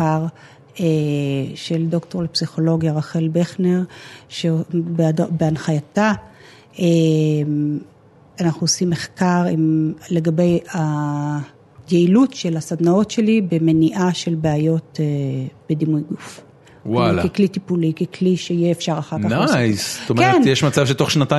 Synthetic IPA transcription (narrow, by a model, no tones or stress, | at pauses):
aʁ | eʃeld̪o̞kto̞ʁlepsiχo̞lo̞ɡjaʁaχe̞lbeχneʁʃeobeadobeanχajata | em | anaχnuosimːeχkaʁimle̞ɡabe̞ja | jeilutʃe̞lasadnao̞tʃe̞libe̞me̞niʔaʃe̞lbeajo̞teb̥e̞dimujɡuf | walakeklitipulikekliʃeijeːfʃaʁaχaʁnkaajst̪omenjeʃmat͡savʃeto̞χʃnata